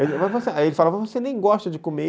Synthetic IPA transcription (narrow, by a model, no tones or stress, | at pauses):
emavosielɪfalavazvosenẽj̃ɡɔʃt̪ɐd͡ʒɪkome